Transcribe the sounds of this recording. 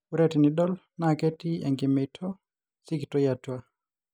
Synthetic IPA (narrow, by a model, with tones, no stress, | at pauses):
uɾɛti˨ni˨dɔ˦l | nakɛ˦tiɛ˨ŋɡimɛ˨tʰɔ | si˦kitɔ˦jatwa˦